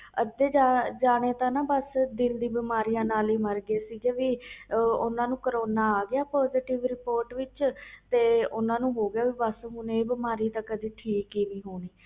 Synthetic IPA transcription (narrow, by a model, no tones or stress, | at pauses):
əd̪eːd͡ʒad͡ʒaːɽ̃eːt̪ãːnãːbəsd̪ɪld̪iːbɪmaːɾijãːnaːliːməɾɡeːsiːd͡ʒeːʋiːʊnãːnũːkəɾoːnaːaːɡɪaːpɔːziːʈɪʋɾɪpoːɾʈʋɪt͡ʃt̪eːʊnãːnũːɦoːɡɪjaːʋiːbəsɦʊneːbɪmaːɾiːt̪ãːkːəd̪iːʈʰiːkiːniːɦoːɽiː